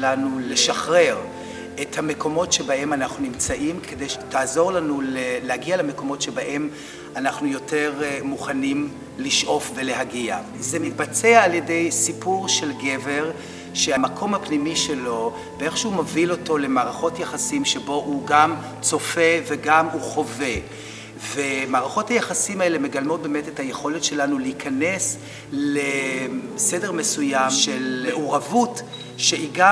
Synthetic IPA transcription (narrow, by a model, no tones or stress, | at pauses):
lanule̞ʃaχʁe̞ʁ | ethame̞ko̞mo̞tʃe̞bahe̞manaχnunimt͡saʔimkʰedejʃe̥taːzo̞ʁlanulelehaɡialeme̞ko̞mo̞tʃe̞baʔe̞m | anaχnujo̞te̞ʁmuχanim | liʃʔo̞fve̞le̞ɦaɡia | zemit̚bat͡seaːlje̞de̞jsipuʁʃe̞lɡe̞ve̞ʁ | ʃeamakʰo̞mhapnimiʃelo̞ | beeχʃeumavilo̞to̞le̞maːʁaχo̞tjaχasimʃebo̞ʔuɡam | t͡so̞fe̞veɡamuχo̞ve̞ | vemaːʁaχo̞thajaχasimae̞le̞me̞ɡalmo̞t̚beːmetetaje̞χo̞letʃe̞lanulehikʰanes | le | sedeʁme̞sujamʃeleʔoʁavut | ʃeiɡa